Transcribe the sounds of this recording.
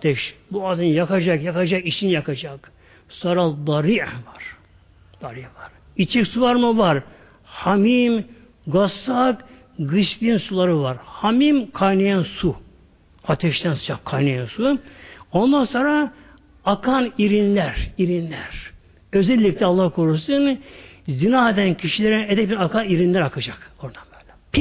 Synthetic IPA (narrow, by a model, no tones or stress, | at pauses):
t̪ʰɛʃbuazɯnjakad͡ʒakjakad͡ʒakit͡ʃinjakʰad͡ʒak | soːɾad̪ɑɾiʕvaɾ̥ | d̪̥aɾivaɾ | it͡ʃʰɛksuvaɾmuvaɾ | hamim | ɡasak | ɡɯʃpinsulˠaɾɯvaɾhamimkʰajnajansu | at̪ʰɛʃt̪ʰænsɯ̥d͡ʒʰakʰːajnajansuo̞nd̪anso̞ːnɾaː | kʰaniɾinlʲæɾiɾinlʲæɾ̥ | øzɛlʲːiclʲɛːlˠːɑhkʰoɾusɯnzinaːed̪æncʰiʃilʲeɾied̪ɛɛnakʰaniɾinlæɾakʰɯd͡ʒako̞ɾd̪anbøːlʲɛp